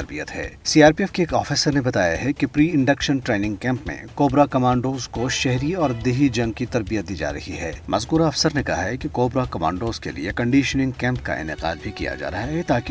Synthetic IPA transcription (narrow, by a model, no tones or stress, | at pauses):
ɐɾbijət̪ɦɛ̰ːsiːaːɾpiɛfkeeːkɔːfiːsəɾnebɐt̪aːja̰ɦɛkipɾiːɪ̃ɳɖɐkʃənʈɾeːnɪ̃ŋɡkɛ̃ːmpmḛ̃koːbɾakɐmãːɳɖoːzkoʃɛɦɾiɔːɾd̪eːɦid͡ʒɐ̃ŋɡ̚kit̪ɐɾbijət̪̚d̪iːd͡ʒa̰ːɾɐhiɦɛːmʔɐzkuːɾaɐfsəɾnekɐɦaɦɛkikoːbɾakɐmã̰ːɳɖoːzkḛlḭekɐ̃ɳɖiːʃənɪ̃ŋɡkɛ̃ːmpka̰ʔɪ̰nɪqa̰ːd̪bʱikija̰d͡ʒa̰ːɾɐɦaɦɛt̪aːk